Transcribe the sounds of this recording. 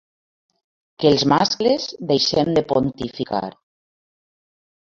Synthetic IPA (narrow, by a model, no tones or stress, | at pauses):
kelˠzmasklezd̪ejʃemd̪epont̪ifika̰ɾ